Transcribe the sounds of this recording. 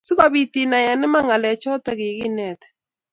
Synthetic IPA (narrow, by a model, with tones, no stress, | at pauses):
su˦ɣa˨βi˨ti˨na˨ja˨nɪ˦ma˦ŋa˨lɛ˨t͡ʃɔ˦tɛ˦ɣɪ˨ɣɪ˦nɛ˨t̪ɛ̥˨